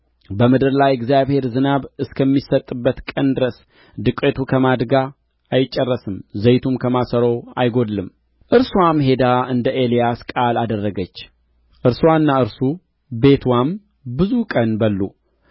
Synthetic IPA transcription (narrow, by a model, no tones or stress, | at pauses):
bəmɨd̪ɨɾlajɛɡzjaβhe̞ɾzɨnaβɨskʰəmːisət̪ʼːɨbːət̪kʼənd̪ɨɾəs | d̪ɨkʼːet̪ʰukʰəmad̪ɡaː | jɪt͡ʃʼːərːəsɨmzəjt̪ʰumkʰəmasəɾowa̰jɡo̞d̪lɨm | ʔɨɾswamɦe̞d̪aɨnd̪əʔelijaskʼalad̪ərːəɡət͡ʃː | ʔɨɾswanːaɨɾsu | be̞t̪ʰwam | bɨzukʼənbəlːu